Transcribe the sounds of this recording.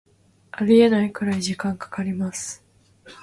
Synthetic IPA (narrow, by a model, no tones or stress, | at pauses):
aɾʲie̞naikɯ̟ɾaiʑikãŋkḁkaɾʲimasɨ̥